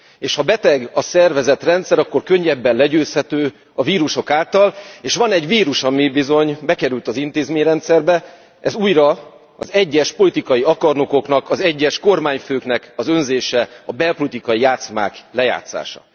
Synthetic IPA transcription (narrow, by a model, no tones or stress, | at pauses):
eːʃhɒbɛt̪ɛɡɒsɛrvɛzɛt̪rɛnt̪sɛɾɒkːo̞rkø̞ɲːɛbːɛnlɛɟøːshɛt̪øː | ɒviːɾuʃo̞kaːlt̪ɒleːʃʋɒnɛɟviːɾuʃɒmibizo̞ɲbɛkɛɾylt̪ɒzint̪eːzmeːɲrɛnt̪sɛrbɛ | ʔɛzuːjrɒ | ɒ̰zɛɟːɛʃpo̞lit̪ikɒjiɒkɒrno̞ko̞knɒkɒzɛɟːɛʃko̞rmaːɲføːkn̪ɛkɒzø̞nzeːʃɛɒbɛlpo̞lit̪ikɒjijaːt̪sma̰ːklɛja̰ːt̪sa̰ːʃɒ̰